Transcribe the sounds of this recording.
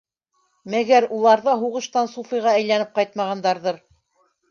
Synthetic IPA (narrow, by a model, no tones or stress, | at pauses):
mæɡæɾulˠɑɾðɑɦuʁɤ̆ʃt̪ɑnsufijʁɑæjlænɘp̚qɑjt̪̚mɑʁɑnd̪ɑɾðɤɾ